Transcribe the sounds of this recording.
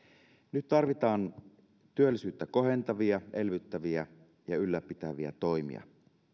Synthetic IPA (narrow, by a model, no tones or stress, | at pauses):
nyt̪t̪ɑrʋit̪ɑːn | t̪yølːisyːt̪ːæko̞ɦe̞nt̪ɑʋiɑʔelʋyt̪ːæʋiæ | jɑylːæpːit̪æʋiæ̰t̪oimḭɑ̰